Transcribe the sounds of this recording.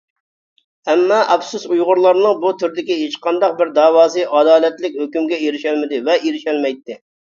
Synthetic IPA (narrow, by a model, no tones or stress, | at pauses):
ɛmːɑʔɑbsusujʁʊɾlˠɑɾnɨŋbut̪ʰyɾɪd̪ɪkʲiɦet͡ʃqʰɑnd̪ɑq̚bɪɾd̪ɑːwɑːzɨʔɑd̪ɑːlɛt̪lɪkʲhøkʲymɡʲɛiɾɪʃɛlmɪd̪ɪvɛʔeɾɪʃɛlmɛjt̪ːɪ